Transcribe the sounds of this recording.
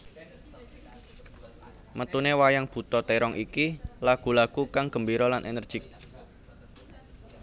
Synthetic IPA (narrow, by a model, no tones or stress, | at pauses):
mət̪unewajaŋb̥ṳt̪ɔt̪eɾɔŋʔikilaɡ̥ṳlaɡ̥ukaŋɡ̥ə̤mbiɾɔlanʔenərd̥ʒ̥ɪk̚